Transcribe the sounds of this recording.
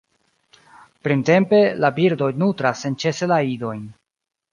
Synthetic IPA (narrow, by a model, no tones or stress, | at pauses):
pɾinte̞mpe̞labiɾdo̞jnutɾasːent͡ʃe̞se̞laido̞jn